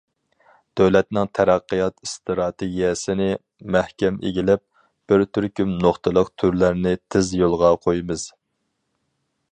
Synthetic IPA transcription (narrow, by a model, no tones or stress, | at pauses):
d̪̥øwlɛt̪nɪŋt̪ʰæɾæqːəjɑt̪ist̪ɾɑt̪ʰeɡʲijɛsɪnɪ | mæhkʲɛmʔḛɡʲilɪp̚ | b̥ɪɾt̪ʰyɾkʲymnoχt̪ʰɨlˠəqt̪ʰyɾlæɾnɪt̪ʰɪzjolˠʁɑqʰojmɨz̥